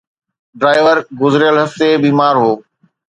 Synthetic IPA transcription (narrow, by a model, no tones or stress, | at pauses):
ɖɾaːɪʋəɾɡʊzɾjəlɦɐft̪ebiːmaːɾɦoː